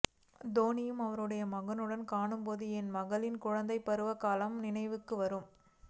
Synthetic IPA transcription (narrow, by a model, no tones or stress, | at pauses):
d̪oːnɪjɯmɐʋɐɾɯɽɐjɐmɐɣɐnɯɽɐnkaːɳɯmpoːðɯɛnmɐɣɐlɪnkʊɻɐnd̪ɐɪpːɐɾɯʋɐkaːlɐmnɪnɐɪʋɯkːɯʋɐɾɯm